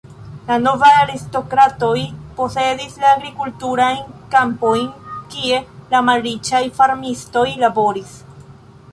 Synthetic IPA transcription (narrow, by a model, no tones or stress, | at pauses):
lano̞vajaɾisto̞kɾato̞jpo̞se̞dislaːɡɾikultuɾajnkampo̞jnkie̞lamalɾit͡ʃajfaɾmisto̞jlabo̞ɾis